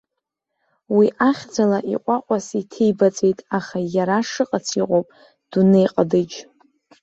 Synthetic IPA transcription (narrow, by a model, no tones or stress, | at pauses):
wiʔaχʲd͡zalaʔiqʷʼaqʷʼasitʰe̞jbat͡sʼe̞jtʼaχajaɾaʂɨqʼat͡sʰiqʼowpʼ | d̥unɨjqʼadɨd͡ʒ